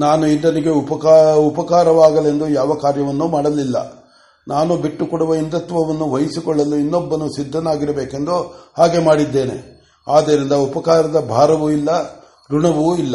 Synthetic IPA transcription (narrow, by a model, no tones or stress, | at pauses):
naːnuind̪ɐniɡe̞upɐkupɐkaːɾɐʋaːɡɐle̞nd̪ujaːʋɐkaːɾjɐʋɐnːuːmaːɽɐlilːɐ̰ | naːnubiʈːukɔɽuʋɐind̪ɐt̪ʋɐʋɐnːuʋɐjisikɔɭːɐlːuinːɔbːɐnusid̪ʱːɐnaːɡiɾɐbeːke̞nd̪uhaːɡe̞maːɽid̪ːe̞ːne̞̰ | aːd̪eːɾind̪ɐupɐkaːɾɐd̪ɐbʱaːɾɐʋuilːɐ | ɾuɳɐʋuilːɐ